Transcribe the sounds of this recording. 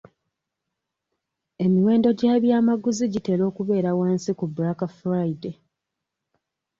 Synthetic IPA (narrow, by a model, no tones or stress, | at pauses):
e̞miwe̞ːndo̞ɟaːβjaːmaɡuziɟite̞lo̞ːkuβe̞ːɾawaːnsikubuɾakafɾaide